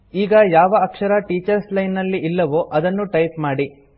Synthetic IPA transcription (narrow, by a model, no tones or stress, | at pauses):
iːɡɐjaːʋɐɐkʂɐɾɐʈiːt͡ʃɐɾslɐjnːɐlːiʔilːɐʋoʔɐd̪ɐnːuʈɐjpmaːɽi